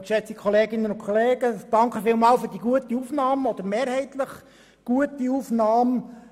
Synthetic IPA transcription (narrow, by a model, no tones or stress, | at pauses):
ʃɛt͡sikʰχɔleːɡɪnənʊnkʰχɔleːɡəd̥ɑŋkəfɪːlmɑːlfʏɾrdiɡuətiufnɑːmɔd̥̪əɾmeːɾhɛɪt̪ləχ | ɡ̥uətiufnɑːm